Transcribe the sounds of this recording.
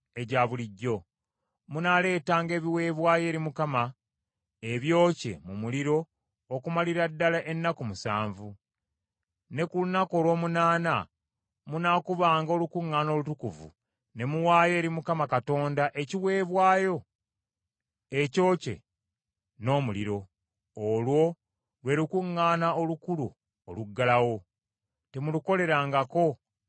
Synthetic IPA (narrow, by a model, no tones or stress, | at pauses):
e̞ɟaβuliɟːo̞ | munale̞ːtaːŋɡe̞ːβiwe̞ːβwaːje̞ːɾimukama | eβjo̞ːce̞̰mumuliɾo̞ː | kumaliɾadːalaʔe̞nːakumusa̰ːɱvu | ne̞kulunakoːlwo̞ːmunaːna | munakuβaːŋɡo̞ːlukuŋːano̞lutukuvṵ | ne̞muwaːje̞ːɾimukamakato̞ːndaʔe̞ciwe̞ːβwaːjo̞ | eco̞ːce̞̰ | no̞ːmuliɾo̞ | olwo̞ | lwe̞lukuŋːaːnao̞lukulu | o̰luɡːalawo̞ | te̞muluko̞le̞ɾaːŋɡako̞